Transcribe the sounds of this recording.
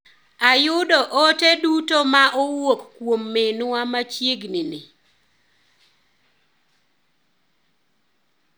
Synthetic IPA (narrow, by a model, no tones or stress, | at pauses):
ajʊdɔʔɔtedutomaʔɔwokkwomːenʊwamat͡ʃjeɡninɪ